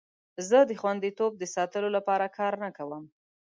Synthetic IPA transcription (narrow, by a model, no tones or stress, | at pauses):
zəd̪əxwand̪it̪ob̚d̪əsɑt̪əlolapɑɾakʰɑɾnakawəm